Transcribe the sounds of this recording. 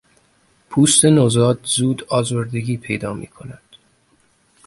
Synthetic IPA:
pʰuːst̪e̞nozɒːd̪zuːd̪ɒːzoɾd̪e̞ɟʲiːpʰe̞jd̪ɒːmḭːkʰo̞næd̪̥

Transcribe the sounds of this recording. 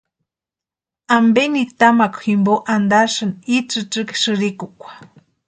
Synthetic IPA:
ambenikt̪amakʷximboʔand̪aʂɨnit͡sɨʈ͡ʂɨkʃɨɾikukʷḁ

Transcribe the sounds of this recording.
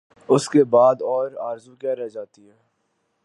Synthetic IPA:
ʊskebaːd̪ɔːɾaːɾzukɛɾɛd͡ʒaːt̪iɦɛː

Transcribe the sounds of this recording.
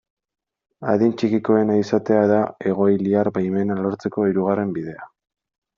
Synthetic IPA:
aðint͡ʃikiko̞e̞naisat̪e̞aðae̞ɣ̞o̞jliaɾbajme̞nalo̞ɾt͡se̞ko̞iɾuɣ̞are̞mbiðe̞a

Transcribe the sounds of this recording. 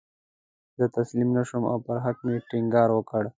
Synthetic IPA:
d̪ət̪aslimnaʃuma̰wpəɾɦat̪meʈiŋɡɑːɾwəkəɽ

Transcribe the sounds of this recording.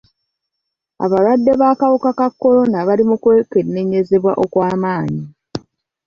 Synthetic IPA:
a̰βalwadːe̞βaːkawukakakːo̞ɾo̞naβalimukwe̞ːke̞nːe̞ɲe̞ze̞βwa̰ʔo̞kwaːmaːɲi

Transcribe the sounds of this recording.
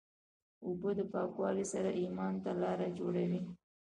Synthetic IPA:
ʊbod̪əpɑːkwɑlisaɾaʔimɑnt̪alɑːɾad͡ʒoɽawi

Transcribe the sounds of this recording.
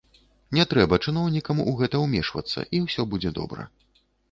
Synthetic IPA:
nʲɛt̪ɾɛbɐt͡ʂɨn̪ɔwnʲikɐmuɣɛt̪ɐwmʲɛʂvɐ̰t̪sːɐ̰ʔiwsʲɔbud͡zʲɛd̪ɔ̰bɾɐ̰

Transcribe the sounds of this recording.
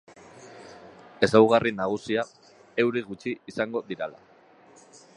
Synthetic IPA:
e̞sawɣ̞arinaɣ̞usia | e̞wɾiɣut͡ʃiːsaŋɡo̞ðiɾala̰

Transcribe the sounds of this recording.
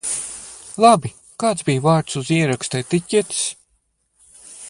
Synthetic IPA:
lˠabi | kaːt̪sbijvaːɾt̪suziɛɾakst̪ɛt̪icʲːit̪i̥s

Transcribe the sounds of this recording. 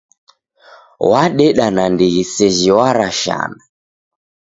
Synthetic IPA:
waɗɛɗanandiɣisɛʒiwaɾaʃa̰na

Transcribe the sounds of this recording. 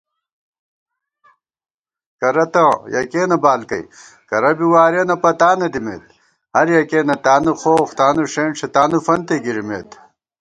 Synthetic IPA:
kɐɾɐt̪ɐ̃jɐkeːnɐbaːlkɐ̰i | kɐɾɐbiwaːɾeːnɐpɐt̪aːnɐd̪imḛːt̪̚ | hɐɾjɐkeːnɐt̪aːnuxoːxt̪aːnuʂeːnʂet̪aːnufɐnt̪eɡiɾimḛːt̪

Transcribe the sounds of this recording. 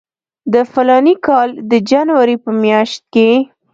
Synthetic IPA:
d̪əfalɑnikɑld̪əd͡ʒanwaɾepəmjɑʃt̪̚ke

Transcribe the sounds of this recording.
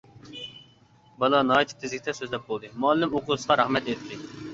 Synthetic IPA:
bɑlˠɑnɑːit̪ʰɨ̥p̚t̪ʰɪzɪkʲt̪ʰɛsøzlɛp̚bolˠd̪ɨmuɛlːɪmoqʊsqɑɾɑhmɛt̪eɾt̪ʰːɪ

